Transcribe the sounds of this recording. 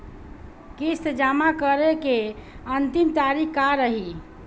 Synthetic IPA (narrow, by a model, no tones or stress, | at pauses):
kist̪d͡ʒamakəɾekeənt̪imt̪aɾikkaɾəɦi